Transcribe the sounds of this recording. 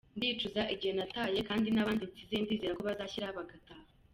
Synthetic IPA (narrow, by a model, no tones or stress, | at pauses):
ndiːt͡ʃuzaʔiɟihe̞nataːje̞kaːndinaβaːnditizendiːzeɾako̞βazaːçiɾahaβaɡataːha